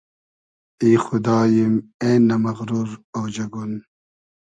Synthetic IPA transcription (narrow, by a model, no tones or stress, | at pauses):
iːxud̪aːjimeːnɐmɐɣɾuɾɐwd͡ʑɐɡun